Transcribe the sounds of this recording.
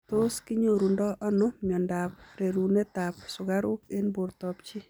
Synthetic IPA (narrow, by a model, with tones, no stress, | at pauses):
to˦skɪ˦ɲo˨ɾu˨ndɔ˦ʔɔ˦nʊmjɔ˨nda˨pɾe˨ɾu˨ne˦ta˨p̚sʊ˨ɡa˦ɾʊ˦ke˦nbo˨ɾtɔ˨pt͡ʃi˦